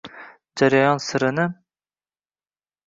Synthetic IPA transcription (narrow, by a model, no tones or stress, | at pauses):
d͡ʒaɾajɒnsɨɾɪnɪ